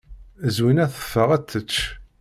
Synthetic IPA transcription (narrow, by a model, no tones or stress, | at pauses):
əzwinæθə̥fːəʁæt͡sːət͡ʃː